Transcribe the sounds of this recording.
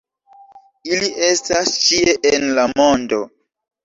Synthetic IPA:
iliʔestast͡ʃieʔenlamo̞ndo

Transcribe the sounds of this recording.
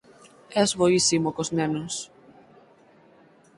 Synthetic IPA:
ɛzβoisimokoznɛnos

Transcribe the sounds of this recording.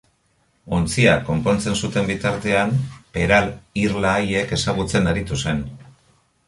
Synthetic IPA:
o̞nt͡siako̞mpo̞nt͡se̞nsut̪e̞mbit̪aɾt̪e̞ampe̞ɾaliɾlaːje̞ke̞saɣ̞ut͡se̞naɾit̪use̞n

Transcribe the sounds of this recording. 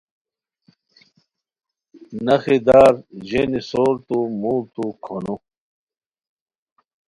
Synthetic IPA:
nɐxid̪aːɾʑenisoːɾt̪umuːɾt̪ukʰonu

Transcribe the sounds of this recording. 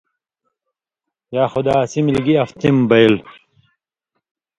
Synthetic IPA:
jaːxʊd̪aːsimilɡiɐft̪imbɐjl

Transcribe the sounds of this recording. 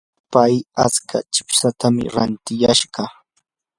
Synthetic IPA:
paja̰t͡skʰa̰t͡ʃɪ̥psat̪amɪ̰ɾant̪ɪjaʃɢɑ

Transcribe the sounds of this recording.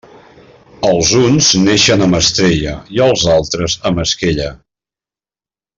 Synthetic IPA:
əlˠzunzneʃənəməst̪ɾeʎə̰iəlˠzalˠt̪ɾəzəməskeʎə

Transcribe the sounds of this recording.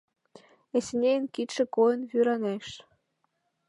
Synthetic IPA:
esnʲejnkit̪ʃĕkojɤnβyɾɑneʃ

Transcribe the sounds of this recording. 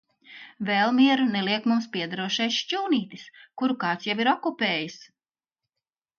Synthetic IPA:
vɛlˠmʲiɛɾuneliɛkmumspʲiɛd̪aɾuɔʃɛjʃt͡ʃuːniːt̪iskuɾukɑːt̪sjaviɾɔkupʲeːjis

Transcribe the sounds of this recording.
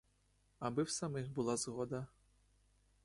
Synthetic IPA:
ɐbɪwsɐmɪxbʊlˠazɣɔd̪ɐ

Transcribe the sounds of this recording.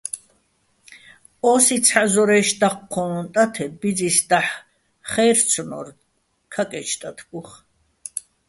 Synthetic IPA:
ɔːsit͡sʰħazɔɾɛːʃd̪aqʰːɔːnt̪ʼat̪ʰɛbid͡zisd̪aħ | χɛɾt͡sʰɔnɔ̰ɾ | kʰakʼɛt͡ʃʰt̪ʼat̪ʰɡʼuχ

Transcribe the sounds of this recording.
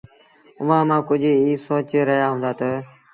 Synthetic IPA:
ʊʋãːmãːkʊd͡ʒʱiːsoːt͡ʃeɾəɦɪjaːɦõːnd̪aːt̪əː

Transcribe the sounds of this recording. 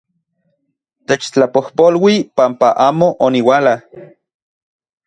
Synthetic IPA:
t̪et͡ʃt͡ɬapohpolwipampaʔaːmoʔoniwaːla

